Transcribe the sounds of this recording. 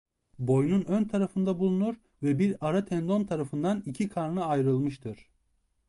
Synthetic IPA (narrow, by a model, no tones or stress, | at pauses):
bo̞jnunønt̪ʰaɾafɯnd̪abulˠunuɾ | vɛbiɾaɾat̪ʰɛnd̪o̞nt̪ʰaɾafɯnd̪anicʰikʰaɾnɯajɾɯlˠmɯʃt̪ʰɯɾ̥